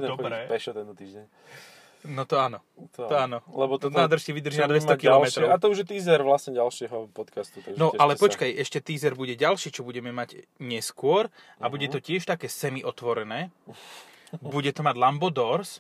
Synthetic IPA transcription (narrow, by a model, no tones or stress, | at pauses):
ɛd̪ɾɛpɛʃɔt̪ɛnt̪ɔt̪iːʒɟɛɲ | nɔt̪ɔanɔ | t̪t̪ɔanɔlɛbɔt̪naːd̪r̩ʃcɛʋid̪r̩ʒinad̪ʋɛst̪ɔkilɔlmɛt̪ɾɔat̪ɔuʒjɛt̪iːzɛɾʋlasɲɛɟalʃɪɛɦɔpɔt̪kast̪ut̪aɡʒnɔɛʔalɛpɔt͡ʃkajʔɛʃcɛt̪iːzɛɾbuɟɛɟalʃiːt͡ʃɔbuɟɛmɛmaɟɲɛskʊɔɾ | abuɟɛt̪ɔcɪɛʃt̪akɛːsɛmiʔɔt̪ʋɔɾɛnɛː | buɟɛt̪ɔmaɟlambɔd̪ɔɾs